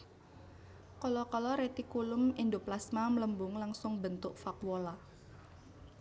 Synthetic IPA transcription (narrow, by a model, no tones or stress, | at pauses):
kɔlɔkɔlɔɾet̪ikulʊmind̪uplasmamləmbʊŋlaŋsʊŋbənt̪ʊkfakuwola